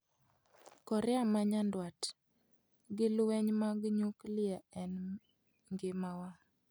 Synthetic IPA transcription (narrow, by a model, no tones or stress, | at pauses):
kɔɾɪamaɲandwat | ɡɪlwɛɲmaɡɲuklɪaɛn | ŋɡɪmawa